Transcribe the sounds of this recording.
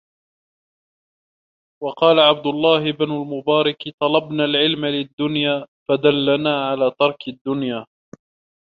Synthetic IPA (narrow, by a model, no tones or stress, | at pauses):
wɑqɑːlaʕab̚d̪ʊlˤːɑːɦɪbnʊlmʊbaːɾˤɑkt̪ˤɑlɑbnaːlʕɪlmalɪd̪ːʊnjaːfad̪alːanaːʕalaːt̪ɑɾˤkɪd̪ːʊnjaː